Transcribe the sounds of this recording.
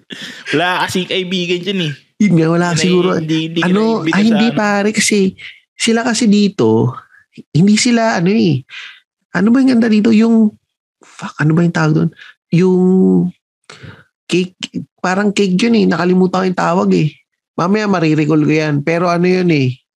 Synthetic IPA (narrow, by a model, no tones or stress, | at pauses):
wɐlakɐsikɐʔɪbiːɡɐnd͡ʒɐnɛ | awɐlaːkɐsɪɡuːɾod̪id̪ʔɐnoʔɐhɪnd̪ipaːɾɛkɐsɛ | sɪlakɐsid̪iːt̪o̞ | hɪnd̪isɪlaʔɐno̞ɛ | ʔɐnobɐjʊŋɡɐnd̪ad̪iːt̪o̞jʊŋ | fɐkʔɐnobɐjʊŋt̪aːwɐɡ̚d̪o̰n | jʊŋ | kɛjk̚paːɾɐŋkejk̚d͡ʒonɛnɐkɐlɪmuːt̪ɐŋkjʊŋt̪aːwɐɡɛ | maːmɐjamɐɾiɾɪkolkojanpɛːɾo̞ʔɐnojonɛ